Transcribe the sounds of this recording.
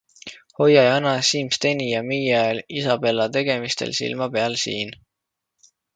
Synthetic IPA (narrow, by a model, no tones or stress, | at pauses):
ho̞jɑjɑnɑsiːmst̪e̞nijɑmijɑelisɑpe̞lːɑt̪e̞ɡ̥e̞mist̪e̞̰lsḭlmɑpe̞ɑlsḭːn